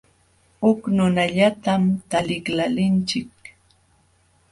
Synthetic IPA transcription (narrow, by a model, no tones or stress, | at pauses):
hʊknʊnaʎat̪amt̪alɪklalɪnt͡ʃɪk̚